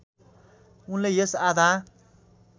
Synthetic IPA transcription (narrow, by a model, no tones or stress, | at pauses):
unlejesad̪a